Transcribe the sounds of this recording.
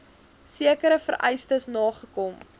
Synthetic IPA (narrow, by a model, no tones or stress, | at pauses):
siəkəɾəfəɾʔɛ̰jstəsnɑːχəkɔm